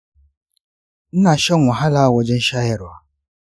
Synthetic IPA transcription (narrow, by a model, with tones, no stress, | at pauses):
n̩˦na˨ʃɔ˦ŋʷɔ˨ɦa˦la˦wɔ˨d͡ʒɪ˦n̩˦ʃa˦jɪ˦ɾʊ˨a˦